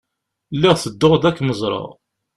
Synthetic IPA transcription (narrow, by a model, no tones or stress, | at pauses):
lːɪʁθəd̪ːʊʁd̪ækːməzˤɾˤɑ̰ʁ